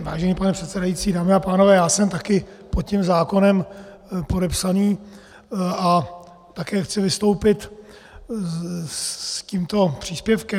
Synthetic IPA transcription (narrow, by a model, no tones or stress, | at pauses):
va̰ːʒɛniːpanɛpr̥ɛt̪sɛdajit͡siːdaːmɪapaːnovɛːjaːsɛmt̪akɪpot̪cɛmzaːko̞nɛm | po̞dɛpsaniː | a | t̪akɛːxt͡sɪvɪst̪owpɪt̪ | ciːmt̪o̞pr̝̥iːspjɛfkɛ